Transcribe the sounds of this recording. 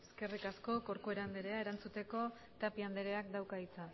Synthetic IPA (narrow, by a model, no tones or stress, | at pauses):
eske̞rikasko̞ko̞ɾkue̞ɾand̪e̞ɾe̞ae̞ɾant͡sut̪e̞ko̞ | t̪apiand̪e̞ɾe̞akd̪awkait͡sa